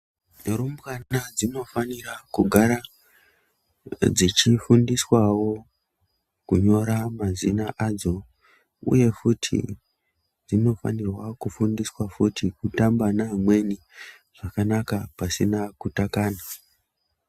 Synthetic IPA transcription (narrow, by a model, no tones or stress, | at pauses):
rumbkaad͡zino̞fanirakuɡʱaɾa | d͡zit͡ʃifundiswawo̞ | kuɲo̞ɾamazinaʔad͡zo̞ | ṵje̞futʰḭ | d͡zino̞fa̰nirwakufundiswafutʰikutambanamwe̞ni | ʐ̥akanakapasinakutakaːna